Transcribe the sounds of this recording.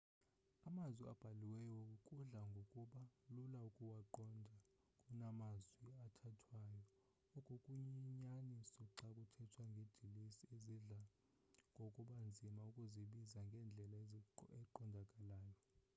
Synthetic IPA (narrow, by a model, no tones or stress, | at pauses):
amazwia̰b̥ʱaliwɛjɔkʼuɮaŋɡʱokʼuɓalulaukʼuwaǃɔndʱa | kʼunamazwiatʰatʰwajɔ | ɔkʼukʼuɲiɲanisuǀakʼutʰɛtʰwaŋɡʱed̥ʱilisieziɮa | ŋɡʱokʼuɓand͡zʱimaukʼuziɓizaŋɡʱɛːnd͡ɮʱɛlaɛǃɔndʱakʼalaːjɔ